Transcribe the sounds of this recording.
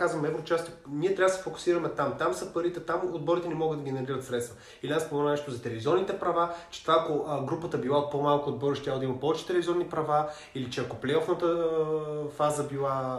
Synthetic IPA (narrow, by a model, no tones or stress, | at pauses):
kazvəmɛvnot͡ʃast̪ɛniɛt̪ɾavəd̪sɛfokʊ̥siɾɐmɛt̪amt̪amsɐpɐɾit̪ɛt̪amod̪̚bɔɾit̪ɛnɛmɔɡəd̪ɐɡʲɛnɛɾiɾət̪sɾɛt̪st̪və | iliaspomɛnanɛʃt̪ozɐt̪ɛlɛvizɔvnit̪ɛpɾɐvat͡ʃɛ̥t̪ovaːkoʔɡɾupət̪əbilˠapomalˠkood̪̚bɔɾiʃt̪ɾʲavlˠəd̪ɐimɐpɔvɛt͡ʃɛ̥t̪ɛlɛvizʲɔvnipɾɐva | ilit͡ʃɛɐkoplɛɔfnət̪ə | fazəbilˠa